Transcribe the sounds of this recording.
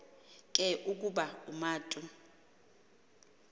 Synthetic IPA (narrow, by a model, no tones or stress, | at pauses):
kʼɛʔuk̬ʼuɓaumaːtʼu